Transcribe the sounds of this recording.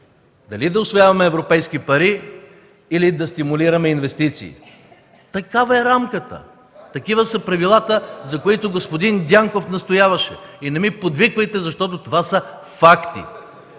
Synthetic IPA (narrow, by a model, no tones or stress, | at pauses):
d̪ɐlid̪ɐʊsvojavɐmɛːvɾopɛjskipɐɾiː | lid̪ɐst̪imuliɾɐmɛinvɛst̪it̪sḭː | t̪ɐkavɐɛɾamkət̪ə̰ | t̪ɐkivəsɐpɾɐvilˠat̪əzɐkoit̪oɡospod̪ind̪ʲjaŋkofnɐst̪ojavɐʃɛ̰inɛmipod̪vikvɐjt̪ɛzɐʃt̪ɔt̪̬ot̪ovasə | fakt̪ḭ